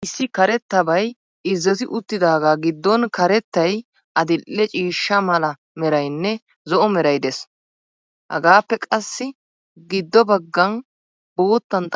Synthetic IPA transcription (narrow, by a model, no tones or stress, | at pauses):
ʔɪsːɪkɐɾɛt̪ːɐbɐj | ɪzːɔt̪ɪʔʊt̪ːɪd̪aːɡaːɡɪd̪ːɔnkɐɾɛt̪ːɐj | ʔɐd̪ɪlːɛt͡ʃʼiːʃːɐmɐlɐ | mɛɾɐjnːɛ | zɔʔɔmɛɾɐjd̪ɛs | hɐ̰ɡaːpːɛkʼɐsːɪ | ɡɪd̪ːɔbɐɡːɐn | bo̞ːt̪ːɐnt̪ʼ